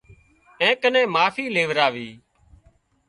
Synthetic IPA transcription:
ẽːkənẽːmaːfiːleːʋɾaːʋiː

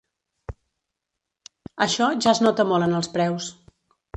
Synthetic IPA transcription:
əʃɔʒaəznɔt̪əmɔlˠənəlˠspɾɛws

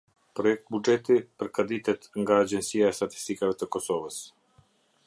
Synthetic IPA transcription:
pɾɔjɛk̚t̪̚bud͡ʒɛt̪ipəɾkad̪it̪ɛt̪ŋɡaːd͡ʒɛnsiaɛst̪at̪i̥st̪ikavɛt̪əkɔsɔvəs

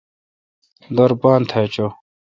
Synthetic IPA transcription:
d̪ɐɾbaːnt̪ʰat͡ɕo

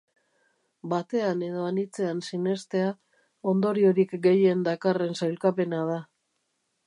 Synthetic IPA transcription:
bat̪e̞ane̞ð̞o̞anit͡se̞ansine̞st̪e̞a | o̞nd̪o̞ɾio̞ɾikɡe̞je̞nd̪akare̞nsajlkape̞nað̞a

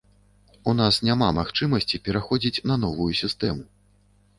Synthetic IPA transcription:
un̪asnʲamamaxt͡ʂɨmɐsʲt͡sʲipʲɛɾaxɔd͡zʲit͡sʲnɐn̪ɔvujusʲist̪ɛmu

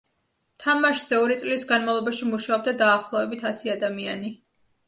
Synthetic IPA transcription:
t̪ʰamaʃz̥ɛɔɾit̪sʼlisɡanmavlˠɔbaʃimuʃaɔb̚d̪ad̪aːχlˠɔvɛbit̪ʰasiad̪amiani

